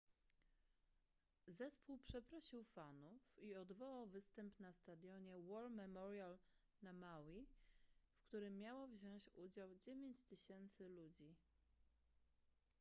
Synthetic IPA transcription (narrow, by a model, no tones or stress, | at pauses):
zɛspuwpʂɛpɾɔɕiwfanufiɔd̪vɔwawvɘst̪ɛmpnast̪ad̪jɔɲɛwɔɾmɛmɔɾjal | namawi | fkt̪uɾɘmːjawɔvʑɔ̃w̃t͡ɕud͡ʑawd͡ʑevʲjeɲt͡ɕt̪ɘɕɛnt̪sɘlud͡ʑi